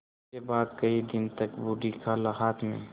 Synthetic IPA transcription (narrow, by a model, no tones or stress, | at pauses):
ebaːd̪kɐid̪ɪnt̪ɐkbuːɖikʰalaɦaːt̪ʰmḛ̃ː